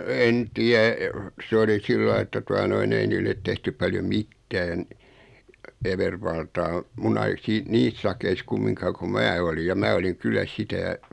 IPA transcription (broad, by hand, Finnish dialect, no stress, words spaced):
en tiæ sĕ oli silːɑi etːæ tuɑ noin ei niːlːet tehtyp pɑljom̆ mitːæːn eʋerʋɑltɑː mun ɑi siː niːs sɑkeis kumːiŋkɑː ko mæː olij jɑ mæː oliŋ kylːæ sitæ